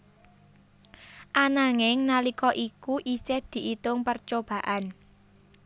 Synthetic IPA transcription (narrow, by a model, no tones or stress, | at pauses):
ʔanaŋɪŋnalikɔʔikuʔisɪhd̪̥i̤ʔit̪ʊŋpərt͡ʃob̥ä̤ʔan